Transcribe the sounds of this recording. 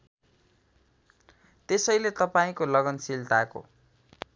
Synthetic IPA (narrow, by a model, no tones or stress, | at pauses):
t̪esʌjlet̪ʌpaĩkolʌɡʌnsilt̪ako̰